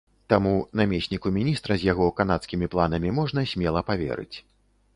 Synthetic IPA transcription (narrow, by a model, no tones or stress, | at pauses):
t̪amunamʲesʲnʲikumʲinʲist̪ɾɐzʲjaɣɔkanat̪skʲimʲiplˠan̪ɐmʲimɔʐnɐsʲmʲɛlˠɐpavʲɛ̰ɾɨ̰t͡sʲ